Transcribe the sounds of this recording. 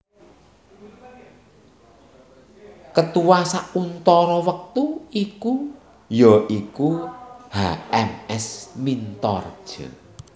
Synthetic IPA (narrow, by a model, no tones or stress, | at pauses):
kət̪uwasaunt̪ɔɾɔwək̚t̪uiku | jɔʔikuhaɛmɛsmint̪ɔ̰rd̥ʒ̥ə̰